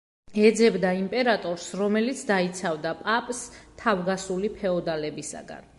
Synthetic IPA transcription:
ɛd̪zɛbd̪aimpʼɛɾat̪ʼɔɾsɾɔmɛlit̪sʰd̪ait̪sʰavd̪apʼapʼst̪ʰavɡasulipʰɛɔd̪alɛbisa̰ɡa̰n

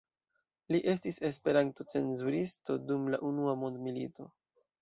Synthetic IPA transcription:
liʔe̞s̬tise̞spe̞ɾanto̞t͡se̞nzuɾistodumlaʔunuamo̞ndmilḭto̞

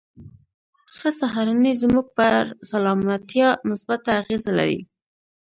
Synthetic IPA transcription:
xəsaɦaɾanizmuɡ̚pəɾsalɑmat̪jɑmʊsbat̪ːaːɣezala̰ɾḭ

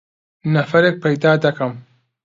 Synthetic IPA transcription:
nɐfɐɾeːk̚pʰɐjd̪aːd̪ɐkɐm

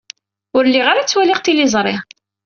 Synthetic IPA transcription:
ʊɾlːiʁaɾat͡sːwælɪʁt̪ilizˤɾˤɪʁ

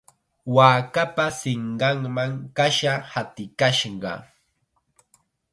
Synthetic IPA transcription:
waːkapasɪɴɢɑŋmaŋkaʃahat̪ɪkaʃɢɑ̰

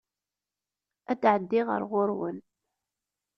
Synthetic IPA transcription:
æd̪ʕəd̪ːɪʁə̰ɾʁʊɾwə̰n

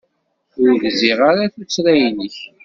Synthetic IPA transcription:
ʊɾðziʁaɾaθut͡sːɾæjnəç

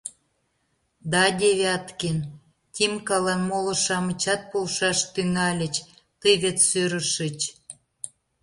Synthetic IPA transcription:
d̪ɑd̪ʲeβʲeɑt̪ken | t̪ʲimkɑlɑnmolɤ̆ʃɑmə̆t͡ɕɑt̪̚polʃɑʃt̪yŋɑlʲə̆t͡ɕ | t̪əjβet̪søɾə̆ʃət͡ɕ

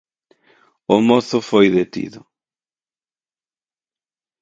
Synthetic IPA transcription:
ʊmoθʊfojðet̪ḭðʊ

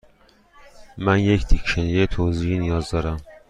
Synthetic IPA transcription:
mænject̪ʰikʃænjejet̪ʰoːziːhinijɒːzd̪ɒːɾæm

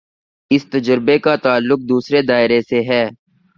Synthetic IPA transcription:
ɪst̪ɐd͡ʒəɾbekat̪aːlːʊk̚d̪uːsɾed̪aːɪɾeseɦɛː

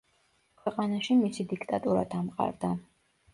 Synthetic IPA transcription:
kʰwɛqʼanaʃimisid̪ikʰt̪ʼat̪ʼuɾa̰d̪̥amqʼa̰ɾd̪a

